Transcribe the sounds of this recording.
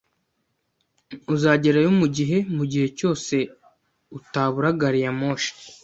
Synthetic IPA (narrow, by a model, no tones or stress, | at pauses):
uzaːɟe̞ɾajomuɟiɦe̞muɟihe̞co̞ːse̞ | utaːβuɾaɡaɾijamoʃi̥